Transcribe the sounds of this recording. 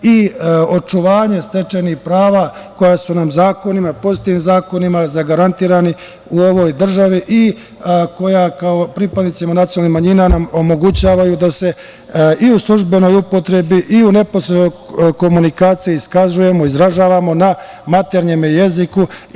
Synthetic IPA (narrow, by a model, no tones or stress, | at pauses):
io̞t͡ʃuʋaːɲe̞st̪e̞t͡ʃenihpɾaːʋako̞jasunamzaːko̞nimapo̞zit̪iʋimzaːko̞nimazaɡaɾant̪iːɾani | uo̞ʋo̞jd̪r̩ʒaʋiʔi | ko̞jakaopɾiːpad̪nit̪simanat̪iolnihmaɲiːnanamo̞mo̞ɡut͡ɕaːʋajud̪ase̞ | ʔiuslˠuʒbe̞no̞jupo̞t̪ɾe̞biʔiune̞po̞sɾe̞d̪o̞jko̞munikaːt̪sijiiskaʒuje̞mo̞izɾaʒaːʋamo̞na | mat̪e̞ɾɲe̞meje̞ziku